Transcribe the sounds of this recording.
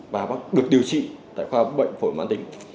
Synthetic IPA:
vaː˨˩ɓaː˦˥k̚ɗɨ˨˩ək̚ɗi˨˩əwt͡ɕḭ˧˨t̪a̰ː˧˨jxwaː˧ɓə̰˧˨jŋ̟fo˧˩jmaː˨˦nt̪ï˧˩˦ŋ̟

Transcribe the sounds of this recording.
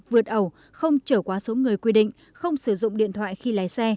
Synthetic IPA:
vɨ˨˩ət̚ʔə˨˩w | xə˧wŋ͡mt͡ɕəː˧˩kwaː˨˦so˨˦ŋɨ˨˩əjkwi˧ɗḭ̈˧˨ŋ̟ | xə˧wŋ͡msɨ˧˩zʊ̰˧˨ŋ͡mɗḭ˧˨ənt̪ʰwa̰ː˧˨jxi˧laː˨˦jsɛ˧

